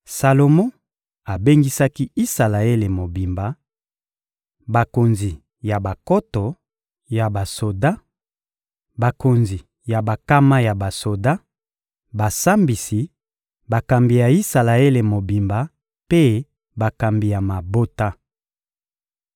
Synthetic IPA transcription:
sa˨lo˨mõ˦ | a˨be˦ŋɡi˦sa˦ki˦i˦sa˨la˨e˦le˨mo˨bi˨mba˨ | ba˨ko˨nzi˨ | ja˨ba˨ko˦tɔ˨ | ja˨ba˨so˨da˦ | ba˨ko˨nzi˨ | ja˨ba˨ka˦ma˦ja˨ba˨so˨da˦ | ba˨sa˦mbi˨si˨ | ba˨ka˨mbi˨ja˨i˦sa˨la˨e˦le˨mo˨bi˨mba˨ | pe˦ | ba˨ka˨mbi˨ja˨ma˨bo˦ta˦

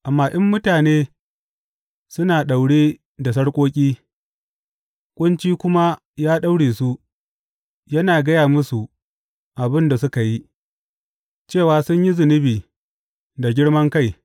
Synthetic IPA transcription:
ʔa˨mːaː˦ʔɪ˦mːʊ˦taː˨neː˦ | sʊ˦naː˨ɗa˨wɽeː˦ | da˨s̬ɐ˦ɽkʷʼoː˦kʲʼiː˦ | kʷʼʊ˦nt͡ʃiː˦kʷʊ˦ma˦ | jaː˦ɗa˦wɽeː˨su˦ʔ | jɐ˦naː˨ɡɐ˦jaː˨mʊ˦su˨ | ʔa˨bɪ˦nda˨sʊ˦ka˨ji˦ | t͡ʃeː˦˨waː˨˦sʊ˦ɲji˦zɪ˨nɪ˦biː˨ | da˨ɡʲɪ˦ɽmɐ˦ŋka˦j

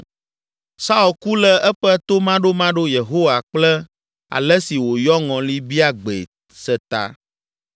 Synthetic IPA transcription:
sa˦u˨lku˦lɛ˦ʔɛ˦ɸɛ˦t̪o˦mã˦ɖo˦mã˦ɖo˦je˨ɦo˦wa˨k͡plɛ˦ | a̰˨lɛ˦si˨wo˨jɔ˦ŋɔ̃˨li˦bi˦a˦ɡ͡bḛ˨ | sɛ˨t̪a̰˨

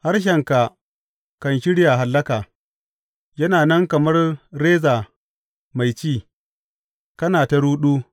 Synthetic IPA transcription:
ha˦rʃ̬ɐ˨ŋka˨ | kɐ˨nʃɪ˦ɽjaː˨ɦa˨lːɐ˦kaː˨ | jɐ˦naː˨nɐ˦ŋkɐ˨mɐ˦rːeː˦zaː˨ | ma˨jt͡ʃiː˦˨ | kɐ˦naː˨ta˨ɽuː˦ɗuː˦

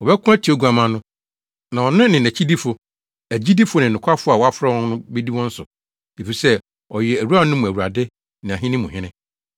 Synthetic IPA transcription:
ɔ˨bɛ˦kʰʊ̃˦æ˦tʰi˨o˦ɡu˨a˨mã˨nʊ̃˦ | nã˨ɔ˨nʊ̃˦nɪ̃˨næ̃˨t͡ɕʰi˦di˦fʊ˨ | æ˨d͡ʑi˦di˦fʊ˦nɪ̃˨n˨ʊ̃˨kʰʷa˦fʊ˦a˨wɔ˦a˦fɾa˦wɔ̃˦nʊ̃˦bɛ˦di˦wɔ̃˦n̩˦sʊ˨ | e˨fi˨sɛ˦ | ɔ˨jɛ˨æ˨ɾu˦a˦nʊ̃˦mũ˨æ˨wu˨ɾa˨dɪ˦ | nɪ̃˨ã˨ɦɪ̃˦nɪ̃˦mʊ̃˨hɪ̃˦nɪ̃˦

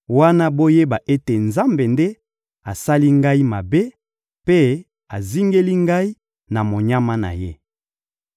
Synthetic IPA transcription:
wa˦na˦bo˦je˦ba˨ʔe˦te˨nza˦mbe˨nde˦ | a˨sa˦li˦ŋɡa˦i˦ma˨be˦ | pe˦ | a˨zi˦ŋɡe˦li˦ŋɡa˦i˦ | na˨mo˨ɲa˦ma˦na̰˨je˦

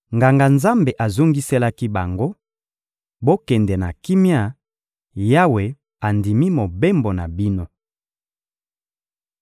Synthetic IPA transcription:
ŋɡa˨ŋɡa˨nza˦mbe˨ʔa˨zo˦ŋɡi˦se˦la˦ki˦ba˨ŋɡo˦ | bo˦kɛ˨ndɛ˨na̰˨ki˦mja˦ | ja˦we˨ | a˨ndi˨mi˦mo˨be˦mbo˨na˨bi˦no˦

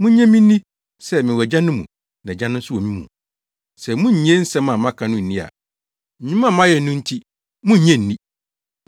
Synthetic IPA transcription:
mũ˦ɲɛ̃˦mĩ˦nĩ˦ | sɛ˦mɪ̃˨wɛ˨d͡ʑã˦nʊ̃˦mṵ̃˨ | nɛ̃˨d͡ʑã˦nʊ̃˦n̩˦sʊ˦wo˨mĩ˦mṵ̃˨ | sɛ˨mũ˦ɲ˨ɲ˦ɛ̃˦n̩˦sɛ̃˦mã˨mã˦kʰã˨nʊ̃˦n̩˨nĩ˦a̰˨ | ɲũ˦mã˦˨mã˦jɛ˨˦nʊ̃˦n̩˦tʰi˦ | mũ˦ɲ˦ɲɛ̃˦n̩˨nĩ˦

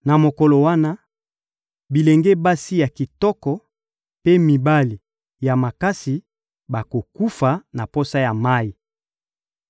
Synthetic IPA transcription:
na˨mo˨kɔ˨lo˨wa˦na˦ | bi˨le˨ŋɡe˦ba˦si˦ja˨ki˨tɔ˦kɔ˨ | pe˦mi˨ba˦li˨ | ja˨ma˨ka˦si˨ | ba˨ko˨ku˦fa˨na˨po˦sa˦ja˨ma˦i˨

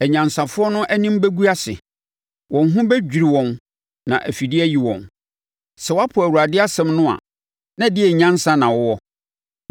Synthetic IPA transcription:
æ˨ɲã˨nsã˨fʊ˦ɔ˦nʊ̃˦ʔæ˦nĩ˦m˦bæ˦ɡu˦a˦sɪ̰˨ | wʔɔ̃˨n˦ɦʊ̃˦bɛ˦d͡ʑᶣi˨ɾi˨wɔ̃˨n | nã̰˨ʔæ˨fi˨dɪ˦æ˦ji˨wɔ̰̃˨n | sɛ˨wa˦pʰʊ˨æ˨wu˨ɾa˨dɪ˦a˦sɛ̃˨mnʊ̃˦a̰˨ | nã˦˨dɪ˦ɛ˨ɲã˦nsã˦nã˨wɔ˦wɔ˦

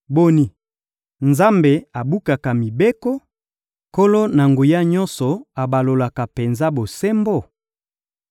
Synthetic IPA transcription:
bo˦ni˨ | nza˦mbe˨a˨bu˦ka˨ka˨mi˨be˦kɔ˦ | ko˦lo˦na˨ŋɡo˨ja˦ɲɔ˦nsɔ˨a˨ba˨lo˨la˨ka˨pe˨nza˦bo˨se˦mbo˦˨

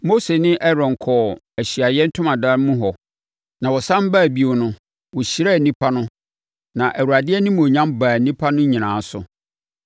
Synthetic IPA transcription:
mo˦se˨nɪ̃˦ʔɛ˦ɾɔ̃˨ŋ˨kʰɔː˨ | æ˨ɕi˨a˨jɛ˦n̩˦tʰʊ̃˦mã˨da˦mũ˦ɦɔ˨ | nã˨wɔ˨sã˦m˦ba˦˨bi˦o˨nʊ̃˦ | wɔ˨ɕi˨ɾa˦˨nĩ˦pʰa˦nʊ̃˦ | nã˨ʔæ˨wu˨a˨dɪ˦ɛ˦nɪ̃˦m̃˨o˨ɲã˦mba˨nĩ˦pʰa˦nʊ̃˦ɲĩ˨nãː˨˦sʊ̰˨

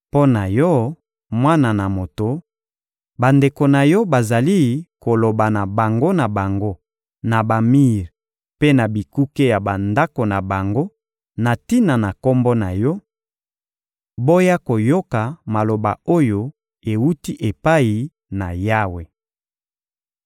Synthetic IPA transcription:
po˦na˨jɔ˦ | mwa˦na˨na˨mo˨to˨ | ba˨nde˨ko˨na˨jɔ˦ba˨za˨li˦ko˨lo˨ba˨na˨ba˨ŋɡo˦na˨ba˨ŋɡo˦ | na˨ba˨mi˦ʁ | pe˦na˨bi˨ku˦ke˦ja˨ba˨nda˦ko˨na˨ba˨ŋɡo˦ | na˨ti˦na˨na˨ko˦mbɔ˦na˨jɔ˦ | bo˦ja˦ko˨jo˦ka˨ma˨lo˨ba̰˨o˦jo˨ | e˨wu˦ti˦ʔe˨pa˦i˨ | na̰˨ja˦we˨

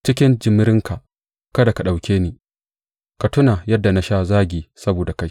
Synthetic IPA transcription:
t͡ʃɪ˦kʲɪ˦nd͡ʒɪ˨mːɪ˦ɾɪ˦ŋkʰa˨ʔ | kɐ˦da˨ka˨ɗa˨wkʲeː˦niː˨ | ka˨tʊ˦na˨jɐ˦dːa˨na˦ʃa˦zaː˦ɡʲiː˨sɐ˦boː˨da˨ka˦j

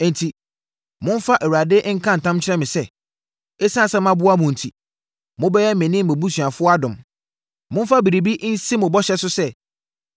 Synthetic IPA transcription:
ɛ˨n̩˨tʰi˨ | mʊ̃˦n˦fa˦ʔɛ˨wu˨ɾa˨dɪ˦ʔŋ̩˦kʰã˦n̩˨tʰã˦mt͡ɕʰɪ˦ɾɛ˦mɪ̃˨sɛ˦ | e˦sã˦˨sɛ̃˦mã˦bʊ˦a˦mʊ̃˨n̩˨tʰi˨ | mʊ̃˦bɛ˦jɛ˦mɛ̃˨nĩ˦mɛ̃˨bu˦sɥa˨fʊ˦ɔ˦a˦dʊ̃˨m | mʊ̃˦n˦fa˦bi˨ɾi˨bi˦ʔn̩˦si˦mʊ̃˨bɔ˦ɕɛ˦sʊ˦sɛ˦

